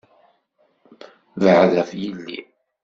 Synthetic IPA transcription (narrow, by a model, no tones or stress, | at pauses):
vəʕðæfjilːḭ